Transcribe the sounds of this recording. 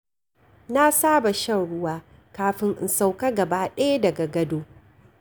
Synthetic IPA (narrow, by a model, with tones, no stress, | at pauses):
na˦saː˦ba˨ʃɐ˦nɽʊ˦waː˦ | kaː˦ɸɪ˦ŋʔɪ̰˨nsa˦wka˦ɡɐ˨baː˦ɗɐ˦ja˦dɐ˨ɡa˨ɡɐ˦doː˦